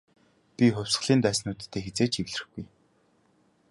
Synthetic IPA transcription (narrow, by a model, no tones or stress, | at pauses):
pʲixʊw̥ʲs̆ɮiːnt̪æːsnuːt̪t̪ːeːxet͡seːt͡ɕiwɮ̆rɘ̆xɡuj